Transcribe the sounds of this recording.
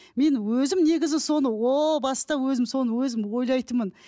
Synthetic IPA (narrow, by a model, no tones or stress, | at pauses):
me̞nwɵzɪmne̞ɡʲɪzɪso̞nəwobɑst̪ɑwɵzɪmso̞nəwɵzɪmwo̞jlˠɑjt̪əmən